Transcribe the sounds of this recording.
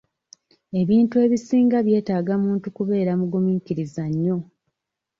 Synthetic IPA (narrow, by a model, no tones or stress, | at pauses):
e̞βiːntue̞βisiːŋɡaβje̞ːtaːɡamuːntukuβe̞ːɾamuɡumikiɾizaɲːo̞